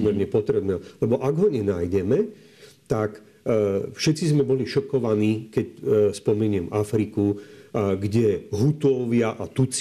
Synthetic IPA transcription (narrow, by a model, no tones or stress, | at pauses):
mɛɾɲɛpɔt̪ɾɛbnɛɔlɛbɔʔaɡɦɔɲɛnaːjɟɛmɛ | t̪ak | fʃɛt̪t͡sizmɛbɔliʃɔkɔʋaniːkɛcspɔmɛɲɛmafɾiku | ɡɟɛɦut̪ɔʋɪaʔat̪ut͡s